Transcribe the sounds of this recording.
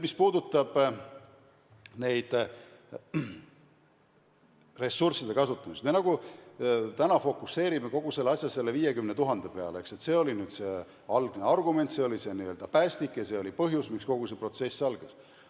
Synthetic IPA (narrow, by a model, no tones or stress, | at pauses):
mispuːd̪ut̪ːˑɑb̥ | ne̞jd̪̥ | re̞sːursid̪̥e̞kɑsut̪ːˑɑmist̪me̞nɑɡ̥u | t̪ænɑfo̞kːˑusːe̞ːɾime̞ko̞ɡ̥use̞lːɑsʲjɑse̞lːe̞viːje̞kymne̞t̪uɦɑnd̪̥epe̞ɑ̰leekse̞t̪se̞ːo̞linyːd̪̥se̞ | ɑlɡ̥neɑrɡume̞nt̪se̞o̞lise̞niø̞ld̪ɑpæːst̪ikːjɑse̞ːo̞lipɤɦjusmiksko̞ɡ̥use̞pro̞t̪se̞sːɑlɡ̥ɑs